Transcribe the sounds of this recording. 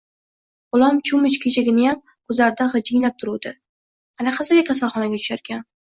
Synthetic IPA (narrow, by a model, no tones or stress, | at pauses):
ʊlˠamt͡ʃʰʊmɪt͡ʃkʲʰet͡ʃʰaɡʲɪnɪjam | kʰɵzlaɾɪd̪aχɨd͡ʒɪŋlap̚t̪ʰʊɾud̪ɪ | anaqʰɑsaɡʲakʲʰas̬alˠχɒnaɡʲat̪ʰʊ̥ʃaɾkʲʰan